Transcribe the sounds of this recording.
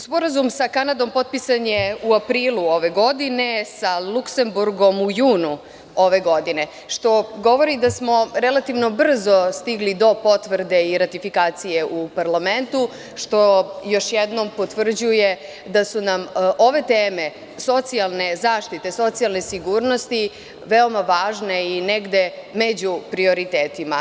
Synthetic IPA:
spo̞ɾazumsakanad̪o̞mpo̞t̪̚pisaɲeuapɾiːlˠuo̞ʋe̞ɡo̞d̪ine̞salˠukse̞mbuɾɡo̞mujuːnu | o̞ʋe̞ɡo̞d̪ine̞ | ʃt̪o̞ɡo̞ʋo̞ɾid̪asmo̞ɾelˠat̪iʋno̞br̩zo̞st̪iɡlid̪o̞po̞t̪ʋr̩d̪e̞iɾat̪ifikaːt̪sijeʔupaɾlament̪u | ʃt̪o̞joʃjɛd̪nompo̞t̪ʋr̩d͡ʑuje̞ | d̪asunamʔo̞ʋe̞t̪eːme̞ | so̞t̪sialˠne̞zaːʃt̪it̪e̞so̞t̪sialne̞siɡuːɾno̞st̪i | ʋe̞o̞maʋaːʒne̞ineɡd̪e̞med͡ʑupɾio̞ɾit̪eːt̪ima

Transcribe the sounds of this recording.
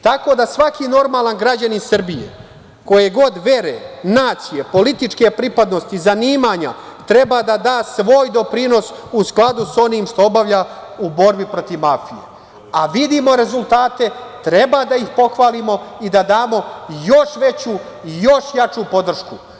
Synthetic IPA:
t̪ako̞d̪asʋakino̞ɾmaːlˠanɡɾad͡ʑaninsr̩bijḛ | ko̞jeɡo̞d̪ʋe̞ɾenaːt̪sije̞po̞lit̪it͡ʂke̞pɾipad̪no̞st̪izaniːmaɲa | t̪ɾe̞bad̪ad̪aːsʋo̞ːjd̪o̞pɾino̞susklˠad̪uso̞niːmʃt̪o̞obaʋʎaubo̞ɾbipɾo̞t̪iʋmafijḛ | aʋid̪imo̞ɾe̞zulˠt̪aːt̪e̞t̪ɾe̞bad̪aixpo̞xʋaːlimo̞id̪ad̪aːmo̞jo̞ʃʋe̞t͡ɕu | jo̞ʃjat͡ʂupo̞d̪r̩ʃku

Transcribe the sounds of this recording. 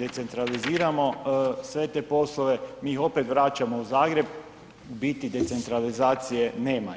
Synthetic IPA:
d̪e̞t̪se̞nt̪ɾaliziːɾamo̞sʋe̞t̪eːpo̞slˠoʋe̞miːixo̞pe̞t̪ʋɾat͡ʃamo̞uzaːɡɾe̞b̚ | bit̪id̪e̞t̪se̞nt̪ɾalizaːt̪sije̞ne̞ːma

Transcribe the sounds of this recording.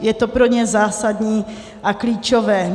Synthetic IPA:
jɛt̪opɾoɲɛzaːsadɲiː | ʔakliːt͡ʃo̞vɛː

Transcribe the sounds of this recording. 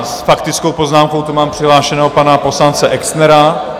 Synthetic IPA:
sfakt̪ɪt͡skowpoznaːmko̞wt̪umaːmpr̥ɪɦlaːʃɛnɛːɦopanapo̞slant͡sɛʔɛksnɛɾa

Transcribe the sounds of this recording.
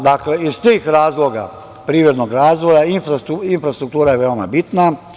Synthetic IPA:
d̪akleist̪eːxɾaːzloɡa̰ | pɾiːʋed̪noɡɾaːzʋojainfɾauinfɾast̪ɾuk̚t̪uːɾajeʋeoma̰bit̪na

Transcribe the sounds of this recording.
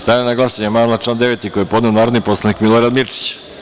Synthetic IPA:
st̪aːnenaɡlˠasaɲemaːnaʈ͡ʂlaːnd̪e̞ʋet̪iko̞jepo̞d̪ne̞onaːɾo̞d̪nipo̞slˠanikmilˠoɾad̪miɾt͡ʃi̥t͡ɕ

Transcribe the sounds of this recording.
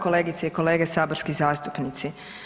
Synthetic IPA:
ko̞le̞ːɡit̪seiko̞le̞ːɡesaːboɾskizaːst̪u̥pnit̪si

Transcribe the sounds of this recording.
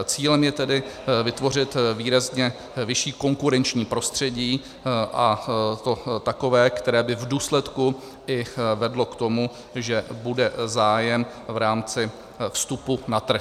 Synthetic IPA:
t͡siːlɛmjɛt̪ɛdɪvɪt̪vo̞r̝ɪt̪viːɾazɲɛ | vɪʃiːkoŋkuɾɛnt͡ʃɲiːpɾo̞st̪r̝̥ɛɟiː | ʔat̪o̞t̪ako̞vɛːkt̪ɛɾɛːbɪvduːslɛt̪ku | ɪvɛdlo̞kt̪o̞mu | ʒɛbudɛzaːjɛm | vɾaːmt͡sɪ | fst̪upunat̪r̩x

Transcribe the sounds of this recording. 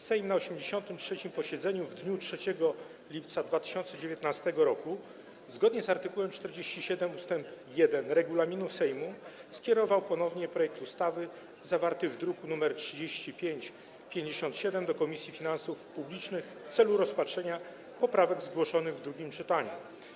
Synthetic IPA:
sɛjmnaɔɕɛmd͡ʑeɕɔnt̪ɘmtʂɛt͡ɕimpɔɕɛd̪zɛɲuvd̪ɲutʂɛt͡ɕɛɡɔ | lʲip̚t̪sad̪vat̪ɘ̥ɕɔnt̪sɛd͡ʑevʲjɛt̪nast̪ɛɡɔɾɔku | zɡɔd̪ɲɛzaɾt̪ɘkuwɛmt͡ʂt̪ɛɾd͡ʑeɕt͡ɕiɕɛd̪ɛmust̪ɛmpjɛd̪ɛnɾɛɡulamʲinusɛjmuskʲjɛɾɔvawpɔnɔvɲɛpɾɔjɛk̚t̪ust̪avɘ | zavaɾt̪ɘvd̪ɾukunumɛɾtʂɘd͡ʑeɕt͡ɕipʲjeɲt͡ɕ | pʲjeɲd͡ʑeɕɔnt̪ɕɛd̪ɛmd̪ɔkɔmʲisʲjifʲinansufpublʲit͡ʂnɘxft̪sɛluɾɔspatʂɛɲa | pɔpɾavɛɡzɡwɔʂɔnɘɣvd̪ɾuɡʲimt͡ʂɘt̪aɲṵ

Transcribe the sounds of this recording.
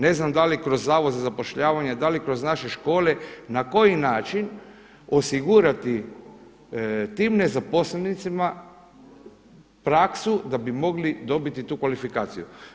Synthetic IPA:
ne̞znamd̪alikɾo̞zːaːʋozazapo̞ʃʎaːʋaɲad̪alikɾo̞znaʃe̞ʃko̞ːle̞nako̞jinaːt͡ʃin | o̞siɡuɾat̪i | t̪iːmne̞zapo̞slenit̪sima | pɾaksud̪abimo̞ɡlid̪o̞bit̪it̪uːkʋalifikaːt̪siju

